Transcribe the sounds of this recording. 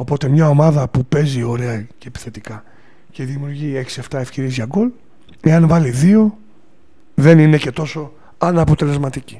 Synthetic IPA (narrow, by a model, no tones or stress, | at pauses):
o̞po̞t̪e̞mɲɐo̞mɐðɐpupe̞zio̞ɾe̞ɐceːpi̥θe̞t̪ikɐ | ce̞ðimiuɾʝie̞ksie̞ft̪ɐe̞fce̞ɾizʝɐɡo̞l | e̞ɐnvɐliðio̞ | ðe̞nine̞ce̞t̪o̞so̞ | ɐnɐpo̞t̪e̞le̞zmɐt̪ici̥